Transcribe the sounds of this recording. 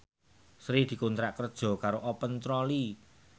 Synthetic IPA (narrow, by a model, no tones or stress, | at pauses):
sɾid̪̥i̤kunt̪ɾaʔkərd̥ʒ̥ɔ̤kaɾoʔɔpənt̪ɾɔli